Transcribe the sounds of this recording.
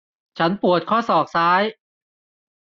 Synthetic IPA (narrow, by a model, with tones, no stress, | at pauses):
t͡ɕʰa˦˥npu˨˩ət̪̚kʰɔː˥˩sɔː˨˩k̚saː˦˥j